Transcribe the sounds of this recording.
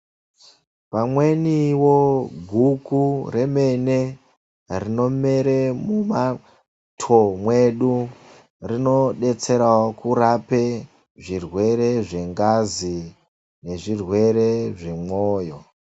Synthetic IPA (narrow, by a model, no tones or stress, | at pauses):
pamwe̞niwoɡʱukure̞me̞ne | rino̞me̞ɾemuma | tʰomwe̞ɗu | rino̞ɗe̞t͡se̞ɾawokuɾape | ʐirwe̞ɾe̞ʐe̞ŋɡazi | ne̞ʐirwe̞ɾeʐe̞moːjo̞